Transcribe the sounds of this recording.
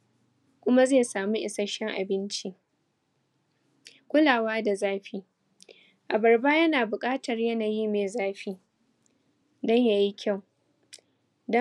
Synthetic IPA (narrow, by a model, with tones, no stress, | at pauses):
kʷʊ˦ma˦zeː˦˨saː˨mu˦ʔɪ˨sɐ˦ʃɛ˦ŋʔa̰˨bɪ˦nt͡ʃi˦ | kʷʊ˦laː˨waː˦da˨zaː˦ɸi˦ | ʔa˨bɐ˨rbaː˦jɐ˦naː˨bʊ˨kʼaː˦tɐ˨rjɐ˦naː˨jiː˦meː˨zaː˦ɸiː˦ | dɔ˦ɲja˨ji˦kʲa˦˨w | dɔ˦